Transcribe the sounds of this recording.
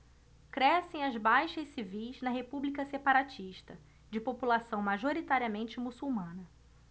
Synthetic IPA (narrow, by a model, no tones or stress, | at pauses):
kɾɛsẽj̃ɐzbajʃɐʃsivijznɐɦepublikɐsepaɾat͡ʃiʃt̪ɐ | d͡ʒɪpopulasɐ̃w̃maʒoɾit̪aɾiɐmẽnt͡ʃɪmusuwmɐ̃nɐ